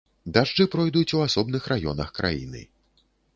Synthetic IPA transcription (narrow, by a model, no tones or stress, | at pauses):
d̪aʐd͡ʐɨpɾɔjd̪ut͡sʲuasɔbnɨxɾʔajɔ̰nɐ̰xkɾʔa̰jḭnɨ̰